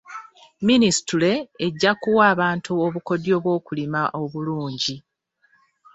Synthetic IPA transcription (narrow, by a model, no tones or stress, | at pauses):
ministule̞ːɟːakuwaːβaːntʰuo̞βuko̞djo̞ːβwo̞ːkulimaʔo̞βuluːɲɟi